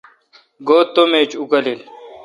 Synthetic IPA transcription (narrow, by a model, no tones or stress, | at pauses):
ɡoːt̪ːomet͡ɕukɐlil